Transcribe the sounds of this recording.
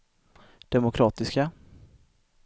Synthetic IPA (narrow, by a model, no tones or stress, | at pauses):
d̪̥ɛmʊkʰɾɑːt̪ɪska